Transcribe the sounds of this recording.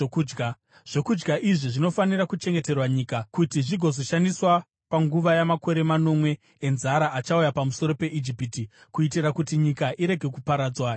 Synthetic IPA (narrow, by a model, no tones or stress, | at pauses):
uɡa | ʐ̥o̞kud͡ʒɡaʔiʐiʐino̞faniɾakut͡ʃe̞ŋɡe̞te̞rwaɲiːkakutiʐiɡʱo̞zo̞ʃandiswa | paŋɡuʋajamako̞ɾe̞mano̞mwe̞ː | nzaɾaʔat͡ʃaujapamuso̞ɾo̞pe̞ʔid͡ʒipiːtikuitirakutiɲikaʔiɾe̞ɡʱe̞kupaɾaːd͡zwa